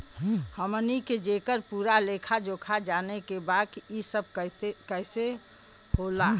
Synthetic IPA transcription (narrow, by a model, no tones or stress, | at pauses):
həməniked͡ʒekəɾpuːɾalekʰad͡ʒoːkʰad͡ʒaːnekebad̪kiisəb̚ʱkt̪ekəɪse | hola